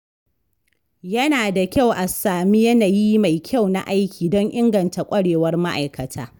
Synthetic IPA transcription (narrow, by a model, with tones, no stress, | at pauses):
jɐ˦naː˨da˨kʲa˦˨wʔa˨saː˨mi˦jɐ˦naː˨ji˦ma˨jkʲʰa˦˨wna̰˨ʔa˦jkʲiː˨dɔ˦ŋʔɪ˦ŋɡɐ˨nta˨kʷʼɐ˦ɽeː˨wɐ˦rma˦ʔa˨jkɐ˨tʰaː˦